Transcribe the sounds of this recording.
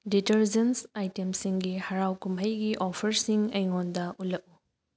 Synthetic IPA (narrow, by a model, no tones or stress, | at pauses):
ditɐɾzensajtemsiŋɡihɐɾawkumɦəjɡiʔɔpʰɐɾsiŋɐjŋondɐʔulɐk̚u